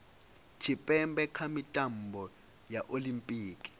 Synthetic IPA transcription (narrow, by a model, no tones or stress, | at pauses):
t͡ʃʰipʼɛmbɛkʰamitʼambʱɔ | jaʔolimpʼiːkʼi̥